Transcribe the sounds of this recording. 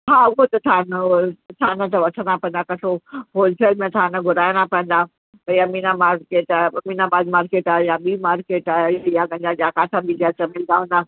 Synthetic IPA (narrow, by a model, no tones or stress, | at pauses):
ɦaːʊɦot̪ɐt̪ʰaːnət̪ʰaːnə̃t̪ɐʋɐʈʰə̃napɐ̃ə̃nd̪akɐsʰoɦoːlseːlmẽt̪ʰaːnɐɡʱʊɾaːjnapɐə̃n̆d̪aː | pɐjaminamaːɾkeːʈamiːnabaːd̪maːɾkeːʈaːjaɓiːmaːɾkeːʈajaɡɐ̃ɲd͡ʑaʄaːkaːt̪ʰãbid͡ʑat͡ɕɐmɪld̪aɦũːn̆d̪aː